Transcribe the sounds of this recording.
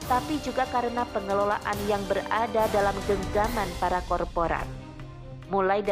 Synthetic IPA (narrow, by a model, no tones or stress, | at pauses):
t̪apid͡ʒuɡakaɾənapəŋəlola̰ʔanjaŋbəradadalamɡəŋɡamanpaɾakɔrpoɾa̰n | mulajd